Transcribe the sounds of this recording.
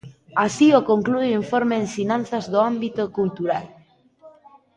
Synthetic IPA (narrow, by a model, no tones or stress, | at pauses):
asiokoŋkluiɱfoɾmeensinãn̟θazðoambit̪okult̪uɾal